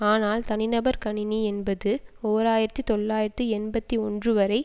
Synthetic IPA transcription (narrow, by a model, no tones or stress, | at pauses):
aːnaːlt̪ɐnɪnɐbɐɾkɐɳɪniɛnbɐðɯoːɾaːjɪɾɐt̪ːɯt̪ɔɭːaːjɪɾɐt̪ːɯɛnbɐt̪ːiɔndrɯʋɐɾɐɪ